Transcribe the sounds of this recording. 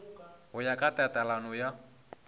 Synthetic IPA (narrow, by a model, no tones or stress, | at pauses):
hʊjakʼatʼɛtʼalanɔja